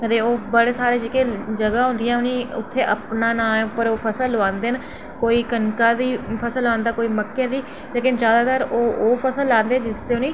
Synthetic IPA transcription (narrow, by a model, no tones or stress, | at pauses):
kət̪eːoːbəɽeːsaːɾeːd͡ʒəkẽːd͡ʒəɡãːɦʊ̃nd̪ɪjãːʊnĩːʊ̰t̪ʰːeːʔəpnaːnãːʊpəɾoːpʰəsəlːãːnd̪eːən | koːiːkənkaːd̪iːpʰəsəlãːnd̪aːkoːiːməkːẽːd̪iː | leːkɪnd͡ʒjaːd̪aːt̪aːɾoːoːpʰəsəlːãːnd̪ẽːd͡ʒɪst̪eːʊniː